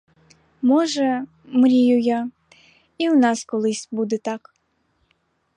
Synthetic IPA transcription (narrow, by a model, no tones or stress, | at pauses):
mɔʐɛ | mɾʲijuja | iwnɑskɔlˠɨsʲbud̪ɛt̪ɑk